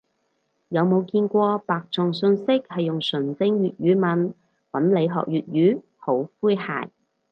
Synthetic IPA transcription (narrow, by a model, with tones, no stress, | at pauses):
jɐ˨˧wmo˨˧wkiː˧nkʷɔː˧paː˨k̚t͡sʊ˨ŋsɵ˧nsɪ˥k̚hɐ˨jːʊ˨ŋsɵ˨˩nt͡sɪ˧ŋɥyː˨t̚jyː˨˧˥mɐ˨˥n | wɐ˨˥nle˨˧jɦɔ̰ː˨k̚jyː˨t̚jyː˨˥ | ho˨˥wfuː˥jha̰ː˨˩j